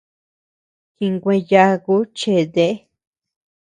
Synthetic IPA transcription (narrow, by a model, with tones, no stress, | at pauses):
ki˧ŋɡʷẽ˧ja˧ku˦t͡ʃe˧˨ðe˦ʔe˦